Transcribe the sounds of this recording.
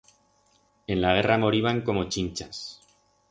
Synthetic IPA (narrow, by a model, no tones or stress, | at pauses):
e̞nlaɣ̞e̞ramo̞ɾiβaŋko̞mo̞t͡ʃint͡ʃas